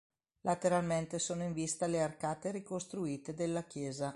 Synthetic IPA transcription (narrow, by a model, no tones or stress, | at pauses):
lat̪eɾalment̪esoːnoiɱvist̪alearkaːt̪eɾikost̪ɾuiːt̪ed̪elːakjɛːza